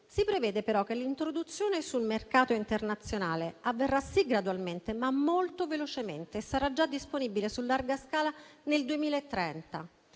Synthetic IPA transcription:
sipɾevɛːd̪epeɾɔkːelːint̪ɾod̪ut̪sːjoːnesulmerkaːt̪oint̪ernat̪sːjonaːleavːerːasiɡɾad̪walment̪emamːolt̪ovelot͡ʃement̪eːsːaɾad͡ʒad̪ːisponibilesulːarɡaskaːlaneld̪uemiːlaet̪ːɾɛnt̪a

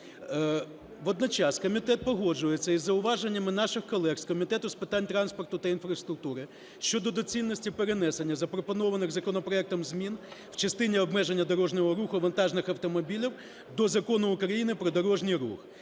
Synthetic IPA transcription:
ʋɔd̪nɔt͡ʃɑskɔmʲit̪ɛt̪̚pɔɦɔd͡ʒʊjet͡sʲːɐizːɐʊʋɑʒenʲːɐmɪnɑʃɪxkɔlˠɛxskɔmʲit̪ɛt̪ʊspɪt̪ɑnʲt̪ɾɑnspɔrt̪ʊt̪ɐinfɾɐst̪ɾʊk̚t̪uɾɪ | ʃʲt͡ʃɔd̪ɔd̪ɔt͡sʲilʲnɔsʲtʲipeɾenɛsenʲːɐzɐpɾɔpɔnɔʋɐnɪɣzɐkɔnɔpɾɔɛk̚t̪ɔmzʲmʲinw̥t͡ʃɐst̪ɪnʲiɔbmɛʒenʲːɐd̪ɔɾɔʒnʲɔɦɔɾuxʊʋɐnt̪ɑʒnɪxɐwt̪ɔmɔbʲilʲiw | d̪ɔzɐkɔnʊʊkɾɐjinɪpɾɔd̪ɔɾɔʒnʲijɾṵx

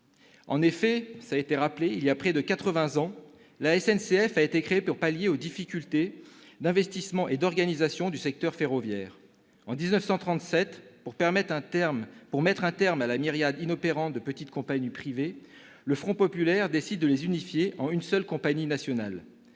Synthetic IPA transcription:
ɑ̰̃nefɛsaet̪eʁapleiljapχɛd̪əkat̪χəvɛ̃zɑ̃ | laɛsɛnseɛfaet̪ekχeepuʁpaljeod̪ifikʲylt̪ed̪ɛ̃vɛst̪ismɑ̃ʔed̪ɔʁɡanizasjɔ̃d̪ysɛk̚t̪œʁfeʁɔvjɛːʁ | ɑ̃d̪iznœfsɑ̃t̪χɑ̃t̪sɛt̪puʁpɛʁmɛt̪ɛ̃ɛʁmpuʁmɛt̪χɛ̃t̪ɛʁmalamiʁjad̪inɔpeʁɑ̃t̪̚d̪əpət̪it̪kɔ̃paɲipχive | ləfχɔ̃pɔpylɛʁd̪esid̪̚ːəlezynifjeʔɑ̃ynsœlkɔ̃paɲinasjɔnal

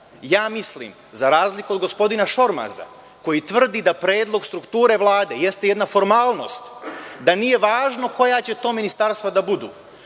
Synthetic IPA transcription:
jaːmislḭːm | zaɾaːzlikuod̪ɡo̞spo̞d̪inaʃo̞ɾma̰za̰ | ko̞jit̪ʋr̩d̪id̪apɾe̞ːd̪lˠo̞ɡst̪ɾukt̪uːɾe̞ʋlˠaːd̪e̞jest̪ejed̪nafo̞ɾmaːlˠno̞̰ːst̪d̪anije̞ʋaːʒno̞ko̞jat͡ɕe̞t̪o̞ːminist̪aɾst̪vad̪abud̪ṵː

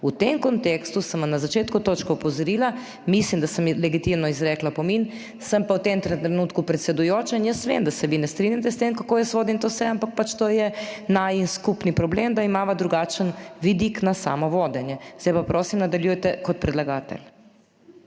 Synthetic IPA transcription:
ut̪emkɔnt̪ekst̪usəmʋamnazat͡ʃeːt̪kut̪oːt͡ʃkɔɔpɔzɔɾiːla | mislimd̪asəmlɛɡit̪imnɔizɾɛːklapɔmin | səmpawt̪emt̪ɾɛɾɛnuːt̪kupɾɛt̪sɛd̪ujoːt͡ʃainjəst̪ʋḛːmd̪asɛʋinɛst̪ɾinjat̪̬ɛst̪emkakoːjɛsʋoːd̪int̪osɛampak̚pat͡ʃt̪oːjɛnajinskupnipɾɔbleːmd̪aimaːʋad̪ɾuɡat͡ʃənʋid̪iknasa̰ːmɔʋoːd̪ɛnjɛzd̪ajpapɾoːsimnad̪aljujɛt̪ɛkɔt̪̚pɾɛd̪laɡaːt̪ɛ̰l

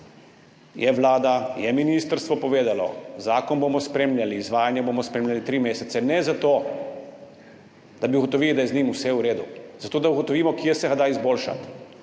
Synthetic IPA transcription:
jɛʋlaːd̪ajɛminiːst̪əɾst̪ʋɔpɔʋeːd̪alɔ̰zaːkɔnboːmɔspɾeːmlʲjaliːzʋaːjanjɛboːmɔspɾeːmlʲjalit̪ɾiːmeːsɛt̪sɛnɛzat̪oː | d̪̥abiuɡɔt̪ɔʋiːlid̪ajɛzniːmusɛuɾeːd̪uz̥at̪oːd̪auɡɔt̪ɔʋiːmɔkjɛsɛɣad̪aizboːlʃa̰t̪

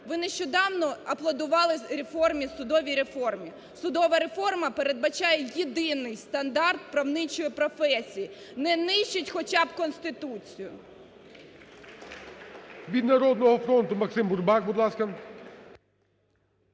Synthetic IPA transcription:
ʋɪnɛʃt͡ʃɔd̪ɑwnɔɐplˠɐd̪ʊʋɑlˠɪɾʲefɔrmʲisʊd̪ɔʋʲijɾe̞fɔrmʲi | sʊd̪ɔʋɐɾe̞fɔrmɐpeɾed̪̚bɐt͡ʃɑjɛjid̪ɪnɪjst̪ɐnd̪ɑrt̪̚pɾɐwnɪt͡ʃɔjipɾɔfɛsʲiji | nɛnɪʃt͡ʃɪtʲxɔt͡ʃɑbkɔnsʲt̪ɪt̪ut͡sʲijʊ | ʋʲid̪nɐɾɔd̪nɔɦɔfɾɔnt̪ʊmɐksɪmbʊrbɑkbud̪lˠɑskɐ

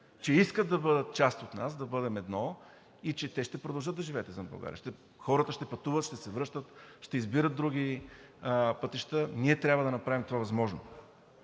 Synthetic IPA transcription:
t͡ʃɛiskət̪d̪ɐbɤd̪ət̪̚t͡ʃast̪ot̪nasd̪ɐbɤd̪ɛmɛd̪nɔ | it͡ʃɛt̪ɛʃt̪ɛpɾod̪ɐlˠʒəd̪d̪ɐʒivɛːt̪ɛzɐmbɐ̰ɡa̰ɾʲḭʃt̪ɛ | xɔɾət̪əʃt̪ɛpɐt̪uvət̪ʃt̪ɛsɛvɾɤʃt̪ət̪ʃt̪ɛizbiɾət̪̚d̪ɾuɡʲi | pət̪iʃt̪əniɛt̪ɾʲabvəd̪ɐnɐpɾavʲimt̪ovavɐzmɔʒno̰

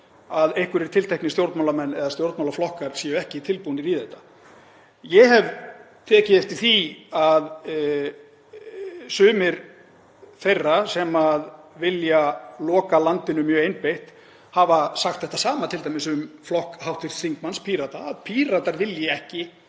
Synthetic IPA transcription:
aðejhkʏɾɛɾt̪ʰɪlt̪ejhknɪst̪jowɾt̪mawlamɛnːɛðast̪jowɾt̪mawlaflɔhkaɾsjɛːjʏɛhcɪit̪ʰɪlpunɪɾiːðɛht̪ːḁ | jɛɦɛv | t̪ʰɛːcɪeft̪ɪθiað | sʏːmɪɾ | θejrːasɛmaðvɪljalɔːkalant̪ɪnʏmjœːɣejnpejht̪ | havasaxt̪θɛht̪asaːmat̪ʰɪlt̪ajmɪsʏmflɔhkhawht̪ʰvɪr̥t̪θiŋkmanspʰiːɾat̪aːðpʰiːɾat̪aɾvɪljɪɛhcɪ

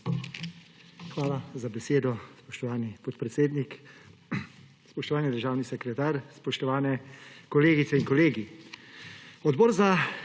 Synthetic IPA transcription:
xʋaːlazabɛseːd̪ɔspɔʃt̪ɔʋaːnipɔt̪pɾɛt̪seːd̪nik | spɔʃt̪ɔʋaːnid̪əɾʒaːwnisɛkɾɛt̪aːɾspɔʃt̪ɔʋaːnɛkɔleːɡit̪sɛiŋkɔleːɡi | ɔd̪bɔːɾza

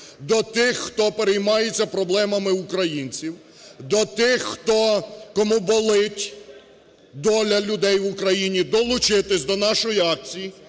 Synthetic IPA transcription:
d̪ɔt̪ɪxːt̪ɔpeɾejmɑjet͡sʲːɐpɾɔblˠɛmɐmɪukɾɐjinʲt͡sʲiw | d̪ɔt̪ɪxːt̪ɔkɔmubɔlˠɪtʲ | d̪ɔlʲɐlʲʊd̪ɛjʋʊkɾɐjinʲid̪ɔlˠʊt͡ʃɪt̪ɪsʲd̪ɔnɑʃɔjiɑk̚t͡sʲiji

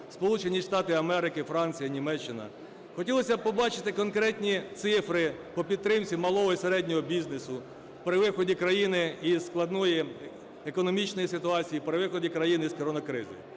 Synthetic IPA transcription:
spɔlˠut͡ʃenʲiʂt̪ɑt̪ɪɐmɛɾɪkɪfɾɑnʲt͡sʲijɐnʲimɛt͡ʃːɪnɐ̰ | xɔtʲilˠɔsʲɐpɔbɑt͡ʃɪ̥t̪ɪkɔnkɾɛtʲnʲit̪sɪfɾɪpɔpʲid̪t̪ːɾɪmt͡sʲimɐlˠɔɦɔiseɾɛdʲnʲɔɦɔbʲiznesʊ | pɾɪʋɪxɔdʲikɾɐjinɪisklˠɐd̪nɔji | ekɔnɔmʲit͡ʃnɔjisɪt̪ʊɑt͡sʲijipɾɪʋɪxɔdʲikɾɐjiniskɔɾɔnɐkɾɪzɪ̰

